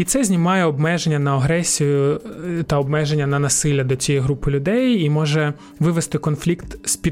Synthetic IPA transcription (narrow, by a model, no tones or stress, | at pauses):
it̪sɛzʲnʲimɑjɛɔbmɛʒenʲːɐnɐɐɦɾɛsʲijʊt̪ɐɔbmɛʒenʲːɐnɐnɐsɪlʲːɐd̪ɔt͡sʲijɛjɦɾupɪlʲʊd̪ɛjimɔʒɛ | ʋɪʋest̪ɪkɔnflʲikt̪sʲpʲi